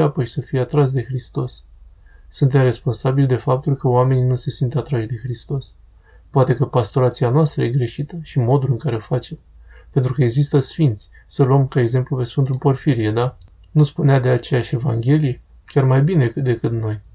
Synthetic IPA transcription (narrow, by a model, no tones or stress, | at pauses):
apəʃi̥səfijeat̪ɾas̬d̪e̞xɾist̪o̞sː | unt̪̬emre̞spo̞nsabild̪e̞fap̚t̪ulkəoame̞ninuse̞sint̪at̪ɾaʃd̪e̞xɾist̪o̞s | poat̪e̞kəpast̪o̞ɾat̪sianoast̪ɾəje̞ɡɾe̞ʃit̪əʃimo̞d̪ulɨŋkaɾe̞ofat͡ʃe̞m | pe̞nt̪ɾukəeɡzist̪əsfint̪sʲ | səluəmkae̞ɡze̞mplupe̞sfɨnt̪ulpo̞rfiɾijed̪a | nuspunead̪e̞at͡ʃe̞jaʃe̞vaŋɡʲe̞lije | kʲarmajbine̞kɨd̪e̞kɨt̪no̞j